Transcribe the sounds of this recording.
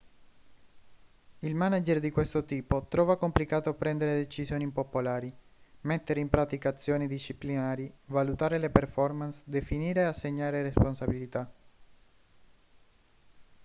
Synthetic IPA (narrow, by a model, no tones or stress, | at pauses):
ilmanad͡ʒerd̪ikwest̪ot̪iːpot̪ɾɔːvakomplikaːt̪oapɾɛnd̪eɾed̪et͡ʃisjoːnipopolaːɾi | met̪ːeɾeimpɾat̪ikat̪sːjoːnid̪iʃːiplinaːɾivalut̪aːɾeleperfɔrmansd̪efiniːɾeasːeɲːaːɾeresponsabilit̪a